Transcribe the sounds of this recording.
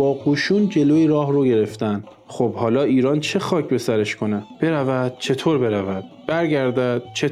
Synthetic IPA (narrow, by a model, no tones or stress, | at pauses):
bɒːɡuːʃuːnd͡ʒe̞loːiɾɒːhɾoɟe̞ɾe̞ft̪ænd̪̥ | χobhɒːlɒːiːɾɒːnt͡ʃʰe̞xɒːcʰbe̞sæɾeʃkʰo̞neb̥e̞ɾævæd̪̥̚t͡ʃʰe̞t̪ʰoːɾbe̞ɾævæd̪̥b̥æɾɟæɾd̪æd̪̥̚t͡ʃʰe